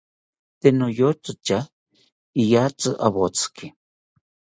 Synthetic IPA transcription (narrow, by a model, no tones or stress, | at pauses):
t̪enojot͡sɨt͡ʃa | ijat͡sɨʔa̰βot͡sɨ̥ki